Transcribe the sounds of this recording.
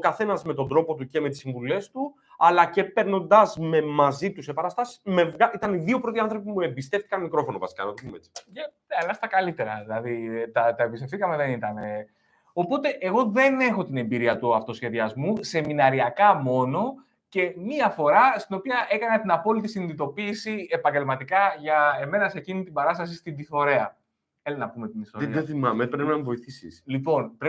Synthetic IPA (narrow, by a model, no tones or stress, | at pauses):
okɐθe̞nɐzme̞t̪o̞nd̪ɾo̞po̞t̪uce̞met̪i̥siɱvule̞st̪u | ɐlɐce̞pe̞ɾno̞nd̪ɐzme̞mɐzit̪usepɐɾɐst̪ɐsi̥sme̞vɣait̪ɐniðio̞pɾo̞t̪iɐnθɾo̞pimue̞mbist̪e̞ft̪i̥kɐnmikɾo̞fo̞novɐsi̥kɐnɐt̪opumeet͡si̥ɐ | ɐlɐst̪ɐkɐlit̪e̞ɾɐ̰ðilɐðit̪ɐt̪ɐebist̪efθikɐme̞ðe̞nit̪ɐne̞ | o̞po̞t̪e̞ʔeɣo̞ðe̞ne̞xo̞t̪ine̞mbiɾiɐt̪uɐft̪o̞sçe̞ðiɐzmuse̞minɐɾiɐkɐmo̞no̞ | ce̞miɐfo̞ɾɐst̪ino̞piɐʔe̞kɐnɐt̪inɐpo̞lit̪̬isiniðit̪o̞piːsie̞pɐɲɟe̞lmɐt̪ikɐʝɐe̞me̞nɐse̞cinit̪ibɐɾɐst̪ɐs̬ist̪ind̪iθo̞ɾe̞ɐ | elnɐpume̞t̪inist̪oieθimɐmepɾepinɐmvo̞iθisḭslipo̞npɾe